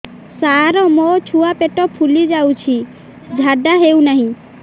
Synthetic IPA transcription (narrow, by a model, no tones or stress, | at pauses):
saɾɔmot͡ʃʰuapeʈɔpʰulid͡ʒawt͡ʃʰi | d͡ʒʱaɖaɦeuwnaɦĩ